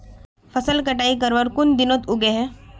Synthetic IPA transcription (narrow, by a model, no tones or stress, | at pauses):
fʰəsəlkɐʈaːik̬əɾʋəɾkʊnd̪ɪnot̪ʊɡeɦɛ